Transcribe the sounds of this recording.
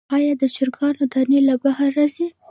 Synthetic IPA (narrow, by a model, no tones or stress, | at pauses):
ɑjɑd̪ət͡ʃɪɾɡɑnod̪ɑnelabahaɾazi